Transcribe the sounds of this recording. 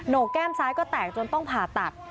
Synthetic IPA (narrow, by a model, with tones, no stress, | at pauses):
noː˨˩kɛː˥˩msʰaː˦˥jkɔː˥˩t̪ɛː˨˩k̚t͡ɕo˧nt̪ɔ˥˩ŋpʰaː˨˩t̪a˨˩t̪̚